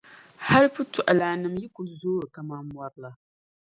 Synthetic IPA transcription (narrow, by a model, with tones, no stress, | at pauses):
ha˦lpɨ˦tu˨ʔa˨laː˨nɨ˨mji˦kʊ˨lzoː˦ɾɨ˨ka˨ma˦mwa˦ɾla˨